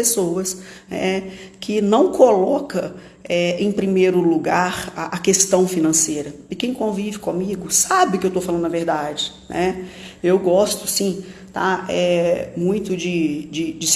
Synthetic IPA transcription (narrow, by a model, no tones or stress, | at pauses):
esowɐsnɛ̰kʰɪnɐ̃w̃kʰolɔkɐ | ɛẽj̃pɾimejɾʊluɡaɾaʔɐkest̪ɐ̃w̃finɐ̃sejɾɐɪkẽj̃kõvivɪkõmiɡʊsabɪʊkɪewt̪owfalɐ̃d̪ʊnɐveɾd̪ad͡ʒɪnʔɛewɡɔst̪ʊ̥sĩt̪a̰ɛmũj̃t̪ʊd͡ʒɪd͡ʒɪd͡ʒɪs